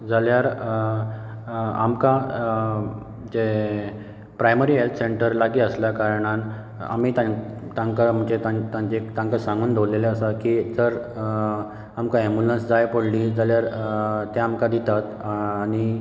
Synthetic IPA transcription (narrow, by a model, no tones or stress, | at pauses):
d͡zaljaɾ | a̰mka | d͡ʑe | pɾajməɾiːɦelt̪ʰseɳʈəɾlaɡiːəslakaɾɳ̃ãn | a̰miːt̪at̪ãŋkam̤əɳt͡ɕet̪ãt̪ãɲt͡ɕekt̪ãŋkasãŋɡuːnd̪owleleəsakiːd͡zəɾ | amkaembulənsd͡zajpoɽliːd͡zaljaɾt̪eamkad̪it̪at̪aːñi